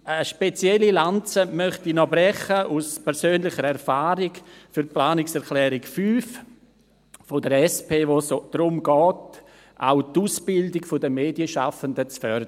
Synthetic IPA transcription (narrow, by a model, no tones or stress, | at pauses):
əʃpet͡sjɛlilant͡səmœχtinɔbɾɛχəʔuspʰɛɾsøːnlɪχəɾɛɾfaːɾikfyɾplaːnɪksɛɾklɛːɾɪkfyːf | fodəɾɛspeːʋosod̥ɾʊmɡɔːt | ʔa̰ʊtuːsb̥ɪldɪkfodəmeːdjəʃa̰fəndət͡sfœɾd